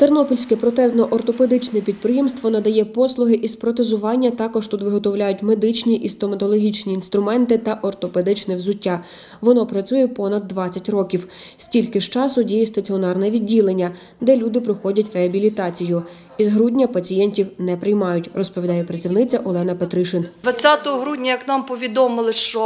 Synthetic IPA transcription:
t̪ernɔpɔlʲsʲkɛpɾɔt̪ɛznɔʔɔrt̪ɔped̪ɪt͡ʃnɛpʲid̪̚pɾɪjimst̪ʋɔnɐd̪ɐjɛpɔslˠʊɦɪʔispɾɔt̪ezʊʋɑnʲːɐt̪ɑkɔʒt̪ut̪ʋɪɦɔt̪ɔwlʲajʊtʲmed̪ɪt͡ʃnʲiʔist̪ɔmɐt̪ɔlˠɔɦʲit͡ʃnʲiːnst̪ɾʊmɛnt̪ɪt̪ɐʔɔrt̪ɔped̪ɪt͡ʃnɛwzʊtʲːa | ʋɔnɔpɾɐt͡sʲujɛpɔnɐd̪ːʋɑt͡sʲːɐtʲrɔkʲiw | sʲtʲilʲkɪʃt͡ʃɑsʊdʲijist̪ɐt͡sʲiɔnɑrnɛʋʲidʲːilˠenʲːɐ | d̪ɛlʲud̪ɪpɾɪxɔdʲɐtʲreɦɐbʲilʲit̪ɑt͡sʲijʊ | izɦɾudʲnʲɐpɐt͡sʲijɛnʲtʲiwnɛpɾɪjmɑjʊtʲrɔspɔʋʲid̪ɑjɛpɾɐt͡sʲiwnɪt͡sʲɐʔɔlˠɛnɐpet̪ɾɪʃɪnd̪ʋɐt͡sʲat̪ɔɦɔɦɾudʲnʲɐjɐknɑmpɔʋʲid̪ɔmɪlˠɪʃt͡ʃɔ

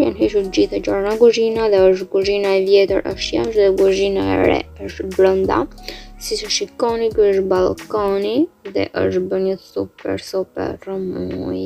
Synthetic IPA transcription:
janɦiʃuɾd͡ʒiθad͡ʒɔɾnaɡɔʒinaðɛəʃt̪ɡuʒinaɛvjɛt̪əɾʔə̰ʃt̪ja̰mʃðɛɡuʒinaɛ̰ɾɛ̰əʃt̪bɾənd̪a̰sisʃikɔnikʃ̚balˠkaniðɛ̰ʔəʃt̪bənəsupɛ̰ɾsɔpɛ̰rəmuj

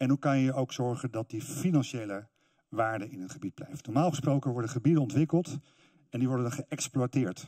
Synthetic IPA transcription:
ɛnɦukɑnjəʔowksɔɹχəndɑt̚difinɑnʃejlə | ʋaːɹdəɪnənχəbid̚blɛ̰jftnɔɹmaːlˠχəsprowkənʋɔɹdəχəbidənɔntʋɪkəlˠt | ɛndiʋɔɹdənχəʔɛksplwatɪːɹt

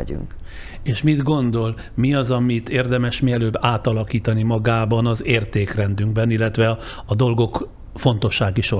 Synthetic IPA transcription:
y̰ŋk | eːʃmid̪ɡo̞nd̪o̞l | miɒzɒmit̪eːrd̪ɛmɛʃmiɛløːbːaːt̪ɒlɒkiːt̪ɒnimɒɡaːbɒnɒzeːrt̪eːkrɛnd̪yŋɡbɛnilːɛt̪ʋɛ | ɒd̪o̞lɡo̞k | fo̞nt̪o̞ʃːaːɡiʃo

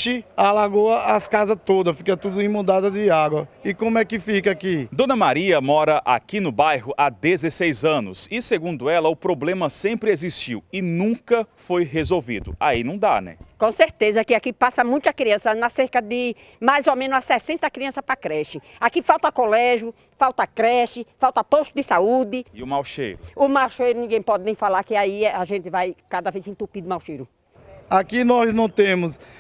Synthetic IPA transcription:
ɪalaɡoɐɐskazɐt̪od̪ɐsfikɐt̪ud̪ʊĩmõd̪ad̪ɐd̪ɪaɡwɐɪkõmʊɛkɪfikɐakid̪õnɐmaɾiɐmɔɾɐʔa̰kinʊbajɦʊʔad̪ezesejzɐ̃nʊsɪseɡũnd̪ʊɛlɐʊpɾoblẽmɐsẽpɾɪeziʃt͡ʃiwɪnũkɐfojɦezowvḭd̪ʊ̰ainɐ̃w̃d̪a̰nɛ̰̃kõseɾt̪ezɐkɪakipasɐmũj̃t̪ʊɐkɾiɐ̃sɐnɐseɾkɐd̪ɪ | majzomẽnʊzasɛsẽnt̪ɐkɾiɐ̃sɐpɾɐkɾɛʃɪakifawt̪ɐkolɛʒjʊ | fawt̪ɐkɾɛʃɪfawt̪ɐpoʃt̪ʊd̪ɪsaud̪ɪɪʊmawʃḛjɾʊʊmawʃejɾʊnĩɡẽj̃pɔd̪ɪnẽj̃falaɾkɪaiɛaʒẽnt̪ɪvajkad̪ɐvezĩt̪upid̪ʊmawʃejɾʊ | akinɔznɐ̃w̃t̪ẽmʊs

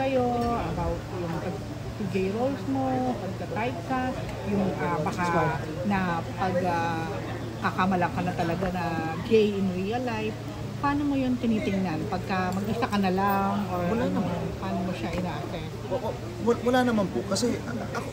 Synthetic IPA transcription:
ɐjo̞ɐbawt̪̚jʊŋpɐɡ | t̪uɡejɾolsmo̞pɐɡ̚kɐt̪ajt̪̚sa | jʊŋʔabɐka | nɐpɐɡa | kakɐmɐlɐkɐnɐt̪ɐlɐɡanɐɡejɪnɹiɐlajf | paːno̞mo̞jont̪ɪniːt̪ɪŋnanpɐɡ̚kɐmɐɡʔɪsakɐnɐlaŋʔoɹwɐlaɐnɐnpaːnomoʃaʔɪnaːʔɐsɛ | ʔoʔo | wɐwɐlaːnɐmanpokɐsɛ | ɐ

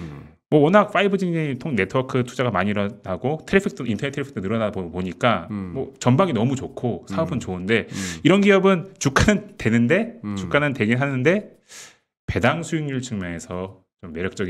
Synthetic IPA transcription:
mwʌwʌnak̚f͈aibɯd͡ʑiŋɲitʰoŋne̞tʰɯwʌkʰɯtʰu̥d͡ʑaɡamaɲiɾʌnaɡotʰeɾipʰik̚t͈ʰointʰʌetʰeɾipʰi̥k̚t͈ʰonɯɾʌnaoboɲik͈amwʌt͡ɕʌmbaŋinʌmut͡ɕokʰosʰaʌbɯnt͡ɕoɯnde̞iɾʌnɡiʌbɯnt͡ɕuk͈anɯnte̞nɯnde̞t͡ɕuk͈anɯnte̞ɡiɭɦanɯnde̞ | pe̞daŋsʰuiŋɲuɭt͡ɕʰɯŋmjʌŋe̞sʰʌ | t͡ɕomːe̞ɾjʌk̚t͡ɕ͈ʌɡi

